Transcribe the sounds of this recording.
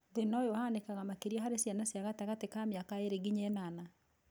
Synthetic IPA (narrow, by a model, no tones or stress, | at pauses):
ðenɔjɔhanekaɣamakeɾiaɦaɾesjanasjaɣataɣatekameakaeɾeɣiɲɛnana